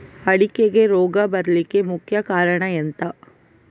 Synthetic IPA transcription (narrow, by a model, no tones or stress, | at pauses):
ɐɽikeɡe̞ɾoːɡɐbɐɾɐlike̞mukʰjɐkaːɾɐɳɐent̪ɐ